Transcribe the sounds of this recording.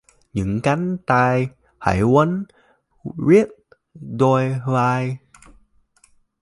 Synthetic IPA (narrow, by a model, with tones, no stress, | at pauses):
ɲɨ̰˧˥ŋka˨˦jŋt̪aː˧j | ha̰˧˩jwə˨˦n | vi˦˥əp̚ | zo˧jvaː˧j